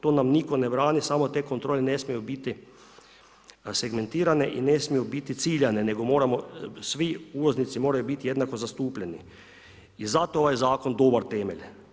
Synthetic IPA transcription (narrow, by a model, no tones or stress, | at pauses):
t̪oːnamnikonɛbɾaːnisaːmot̪ekont̪ɾoːlenesmijubit̪i | seɡment̪iːɾaneʔinesmijubit̪it̪siːʎaneneɡomoːɾamosʋiuːloznit̪simoːɾajubit̪ijed̪nakozast̪uːpʎʲenḭ | izat̪ooʋajzaːkond̪obaɾt̪ɛmeʎʲ